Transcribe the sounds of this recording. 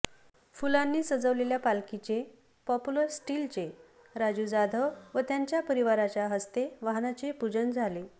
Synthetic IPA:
fulanːiːsəd͡zəʋleljapalkit͡ɕe | pɔpuləɾsʈilt͡ɕe | ɾad͡ʑud͡zad̪ʱəʋət̪jaɲt͡ɕjapəɾiʋaɾat͡ɕjaɦəst̪eʋaɦnat͡ɕepud͡ʑənd͡zʱale

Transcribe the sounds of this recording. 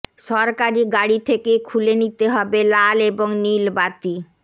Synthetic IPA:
ʃɔɾkaɾiɡaɽit̪ʰekekʰulenit̪eɦɔbelaleboŋnilbat̪i

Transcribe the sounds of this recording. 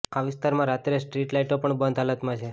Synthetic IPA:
aʋɪst̪aɾmãɾat̪ɾesʈɾiʈlaiʈopəɳbənd̪ʱɦalət̪mãt͡ʃʰe

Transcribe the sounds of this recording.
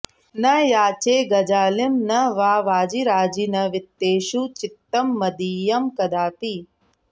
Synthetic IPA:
nɐjaːt͡ʃeːɡɐd͡ʒaːlimnɐʋaːʋaːd͡ʒiɾaːd͡ʒinɐʋɪt̪ːeːʃut͡ʃɪt̪ːɐmːɐd̪iːjɐmkɐd̪aːpi

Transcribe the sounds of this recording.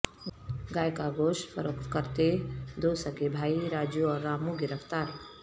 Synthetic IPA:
ɡaːjkaɡoːʃfʰəɾokkəɾt̪ed̪oːsəkebʱaːiɾaːd͡ʒjoɔːɾːaːmuɡɪɾəft̪aːɾ

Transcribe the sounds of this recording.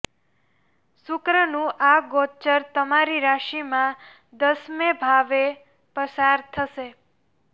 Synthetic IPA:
sʊkɾənũʔaɡot͡ʃəɾt̪əmaɾiɾaʃimã | d̪əsmẽbʱaʋe | pəsaɾt̪ʰəʃe

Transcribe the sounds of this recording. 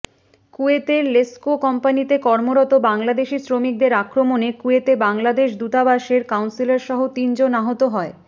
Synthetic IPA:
kuet̪eɾleskokɔmpanit̪ekɔɾmoɾɔt̪obaŋlad̪eʃisɾomik̚d̪eɾakɾomonekuet̪ebaŋlad̪eʃd̪ut̪abaʃeɾkawnsilaɾʃɔɦot̪ind͡ʑonaɦot̪oɦɔe

